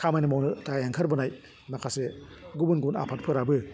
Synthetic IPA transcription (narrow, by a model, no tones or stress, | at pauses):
kʰamajnimɔwnɯltaaŋkʰɐɾbɯnaj | nakʰaseɡubɯnɡuna̰pʰat̚pʰɯɾabɯ